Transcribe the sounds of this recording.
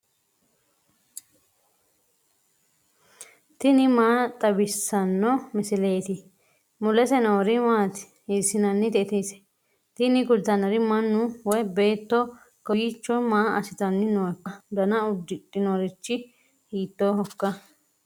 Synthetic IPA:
t̪ɪnɪmaːt̪ʼɐbɪsːɐnːɔmɪsɪle̞ːt̪ɪ | mʊlɛsɛnoːɾɪmaːt̪ | hɪsɪnɐnːɪt̪ɛt̪isɛ̥ | t̪ɪnɪɡʊd̪ɐnɐɾɪmɐnːʊwɔjbe̞ːt̪ːɔ | kɔɡiːt͡ʃːɔmaːʔɐ̰sɪt̪ɐnːɪnoːkːɐd̪ɐnɐʊd̪ːɪt̪ʼːɪnoːɾɪt͡ʃːɪ | hiːt̪ːoːhɔkːɐ

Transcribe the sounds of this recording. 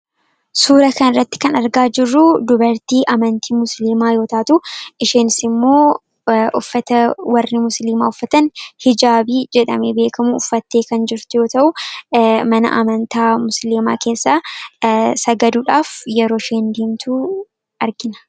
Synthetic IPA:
suːɾɐkɐnɪrːɐt̪ːɪ̥kɐnɐɾɡaːd͡ʒɪrːʊd̪ʊbɐɾt̪iːʔɐmɐnt̪iːmʊsliːmaːjo̞ːt̪aːt̪ʊʔɪʃeːnsɪmːo̞ː | ʔʊfːɐt̪ɐwɐrːɪmʊsliːma̰ːʊfːɐt̪ɐnhɪd͡ʒaːbiːd͡ʒɛᶑɐ̰mɛbe̞ːkɐmʊʊfːɐt̪ːeːkɐnd͡ʒɪɾt̪ʊjo̞ːt̪ɐʔʊ | mɐnɐ̰ʔɐ̰mɐnt̪aːmʊsliːma̰ːke̞ːsːaː | sɐɡɐd̪uːᶑaːfjɛɾo̞ːʃeːnd̪eːmt̪ʰu | ɐɾɡɪnɐ̥

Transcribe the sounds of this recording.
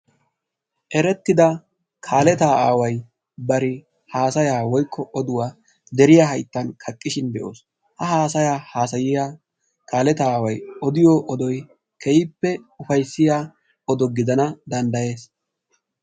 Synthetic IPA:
ʔɛɾɛt̪ːɪd̪ɐ | kʰaːlɛt̪aːaːwɐj | bɐɾɪ | haːsɐjaːwɔjkʰːɔɔd̪ʊwaː | d̪ɛɾɪjaːɦɐjt̪ːɐnkʰɐkʼːɪʃɪnd̪ɛʔo̰ːs | hɐɦaːsɐjaːhaːsɐjɪja | kaːlɛt̪aːwɐjɔd̪ɪjɔʔɔd̪ɔj | kʰɛjɪpːɛʊfɐjsːɪjaː | ɔd̪ɔɡɪd̪ɐnɐd̪ɐnd̪ɐje̞ːs

